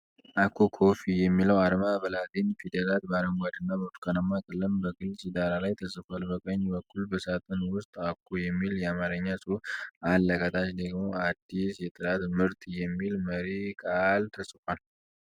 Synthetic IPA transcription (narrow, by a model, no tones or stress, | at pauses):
ʔakʰːokʰo̞fijɛmːiləwaɾmabəlat̪infid̪əlat̪̚baɾəmɡad̪ɨnːabət̪ʰkʰʼanəmakʼəlːəmbəɡɨlsʼid̪aɾalajt̪ʰəsʼɨfalbəkʼəɲːbəkʰːulbəsat̪ʼənwʊst̪ʼakʰːojɛmːiljɛamaɾəɲːasʼɨalːəkʼət̪ʰʼat͡ʃd̪əɡmo̞ad̪ːisjɛt̪ʼɨɾat̪mɨɾt̪ʼjɛmːilməɾikʼalt̪ʰəsʼɨfal